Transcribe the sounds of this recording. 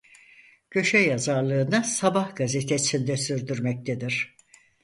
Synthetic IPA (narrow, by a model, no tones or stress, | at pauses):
ɟ̥ø̞ʃɛjazaɾlˠɯːnɯsabahɡazet̪ʰesʰind̪ɛsyɾd̪yɾmɛc̚t̪ʰed̪iɾ̥